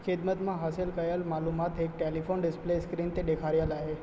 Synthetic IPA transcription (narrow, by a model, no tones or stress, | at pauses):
kʰed̪mət̪mãɦasilkəjəlmalumat̪ek̚ʈelifʰonɖɪspleskɾint̪ed̪ekʰaɾjalaɦe